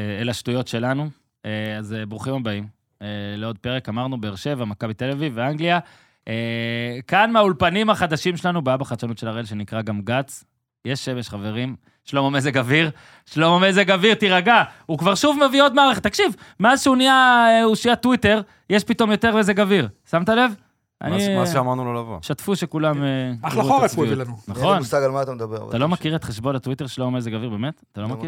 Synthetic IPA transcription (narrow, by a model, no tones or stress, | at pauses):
eelaʃtujo̞tʃe̞lanu | eazebʁuχimabaim | eleo̞d̪̚peʁekamaʁnube̞ːʁʃe̞vamakabit̪eleviveaŋɡlia | ʔekanmeaulpanimhaχad̪aʃimʃelanubaabaχat͡ʃanutʃe̞laʁelʃe̞nikʁaɡamɡat͡s | je̞ʃːe̞meʃχave̞ʁim | ʃlo̞momezeɡaviʁ | ʃlo̞momezeɡaviʁt̪iʁaɡaukvaʁʃuvmevio̞d̪maːʁeχet̪ːakʃivmeazʃeuniaeuʃiatwite̞ʁ | jeʃpito̞mjo̞t̪e̞ʁezeɡaviʁsamt̪ale̞v | ʔa̰niʃeamaʁnulolavoʃat̪fuʃekulameaauoʁeiuilanunaχonusaɡalmaːt̪amed̪abḛʁ̰talo̞makiʁet̪χeʃbo̞nat̪wite̞ʁʃlomomezeɡaviʁbemet̪at̪alo̞maki